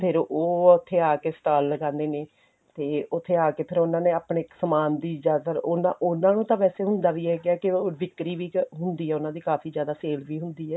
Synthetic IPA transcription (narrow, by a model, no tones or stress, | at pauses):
pʰɪɾoːʊt̪ʰːeːaːkeːst̪aːlːəɡãːnd̪eːneː | t̪eːʊt̪ʰːeːaːkeːpʰɪɾʊnãːneːaːpɳeːksəmaːnd̪iːd͡ʒaːt̪əɾʊnãːʔʊnãːnũːt̪ãːʋɛːseːɦʊnd̪aːʋiːɦɛːɡɪaːkɪoːʋɪkɾiːʋiːɦʊnd̪iːɦɛːʊnãːd̪iːkaːfʰiːzjaːd̪aːseːlʋiːɦʊnd̪iːɦɛː